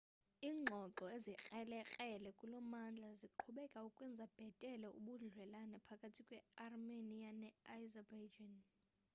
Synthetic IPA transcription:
iːŋ͡ǁʱɔǁɔezik͡xʼɛlɛkʼɛlɛkʼulɔmand͡ɮʱaziǃʰuɓɛkʼaukʼwɛnd͡zʱab̥ʱɛtʼɛlɛṵɓuɮwɛlanɛpʰakʼatʰikʼwɛarmenijanɛajzabajd͡ʒan

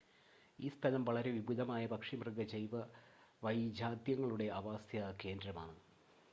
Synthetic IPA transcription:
iːspɐnɐmʋɐɭɐɾe̞ʋibud̪ɐmaːjɐbɐkʂimrɨɡɐt͡ɕejʋɐʋɐjd͡ʑaːd̪jɐŋːɐɭuɽe̞ɐʋaːsjɐke̞ːndɾɐma̰ːɳɨ

